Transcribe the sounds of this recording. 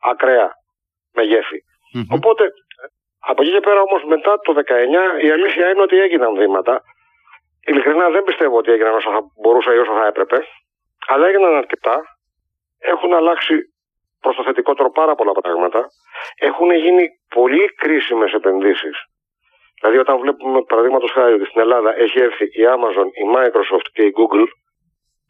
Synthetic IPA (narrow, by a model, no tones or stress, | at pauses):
ɐkɾeɐ | meʝe̞fi | o̞po̞t̪e̞ | ɐpocice̞pe̞ɾɐomo̞zme̞t̪ɐt̪o̞ðe̞kɐe̞ɲɐiɐlisθiɐineo̞t̪ieʝinɐnθimɐt̪ɐ | ilikɾinɐðembist̪evoo̞t̪ie̞ʝinɐno̞soθɐbo̞ɾusɐio̞soθɐe̞pɾe̞pe̞ | ɐlɐeɣinɐnɐɾce̞t̪ɐ | e̞xunɐlɐksi | pɾost̪ɐθe̞t̪iko̞t̪e̞ɾo̞pɐɾɐpo̞lɐpɾɐ̰ɣmɐt̪ɐ | e̞xuneʝinipo̞likɾisime̞se̞pe̞nðisis | ðilɐðio̞t̪ɐnvle̞pume̞pɐɾɐðiɣmɐt̪o̞sxɐɾio̞t̪ist̪ine̞lɐðɐʔe̞çie̞ɾθiʔiɐmɐzo̞nimɐjkɾo̞soft̪ce̞iɡuɡl